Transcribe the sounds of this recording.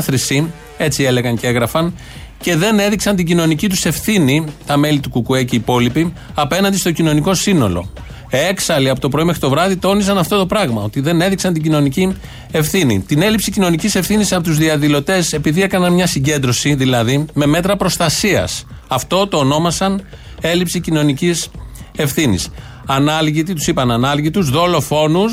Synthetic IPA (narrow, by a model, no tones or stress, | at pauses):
θɾisi | e̞t͡sie̞le̞ɣɐncee̞ɣɾɐfɐn | ce̞ðe̞ne̞ðiksɐnt̪̬iɟino̞nicit̪̬use̞fθinit̪ɐme̞lit̪ukukue̞ciːpo̞lipiɐpe̞nɐnd̪ist̪o̞cino̞niko̞sino̞̰lo̞̰ | eksɐliɐpo̞t̪opɾo̞ime̞xɾit̪o̞vɾɐðit̪o̞nisɐnɐft̪o̞t̪o̞pɾɐɣmɐo̞t̪iðe̞ne̞ðiksɐnt̪iɟino̞nici | e̞fθinḭt̪ine̞lipsicino̞nicise̞fθinisɐpot̪uzðiɐðilo̞t̪e̞se̞piðie̞kɐnɐnmɲɐsiɲɟe̞nd̪ɾo̞siðilɐðime̞me̞t̪ɾɐpɾo̞st̪ɐsiɐ̰sɐft̪o̞t̪o̞ːno̞mɐsɐn | e̞lipsicino̞nicise̞fθinḭs | ɐnɐlʝit̪it̪u̥sipɐnɐnɐlʝit̪uzðo̞lo̞fo̞nus